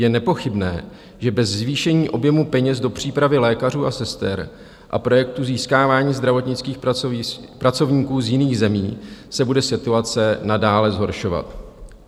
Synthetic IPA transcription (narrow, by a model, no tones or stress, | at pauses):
jɛnɛpo̞xɪbnɛː | ʒɛbɛzzviːʃɛɲiːʔo̞bjɛmupɛɲɛzdo̞pr̝̥iːpɾavɪlɛːkar̝uːʔasɛst̪ɛ̰ɾ | ʔa̰pɾo̞jɛk̚t̪uziːskaːvaːɲiːzd̪ɾavo̞t̪ɲɪt͡skiːx | pɾat͡so̞vɲiːkuːzjɪniːɣzɛmiːsɛbudɛsɪt̪uat͡sɛnadaːlɛzɦo̞ɾʃo̞va̰t̪